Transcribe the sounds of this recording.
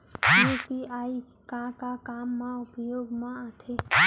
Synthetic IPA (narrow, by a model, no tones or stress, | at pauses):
jupiai | kãkakamːãʊpjoːɡmãat̪ʰe